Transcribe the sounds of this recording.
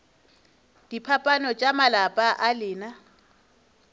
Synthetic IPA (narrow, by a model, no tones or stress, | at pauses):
d̥ipʰapʼanɔt͡ʃʼamalapʼaʔalɪːna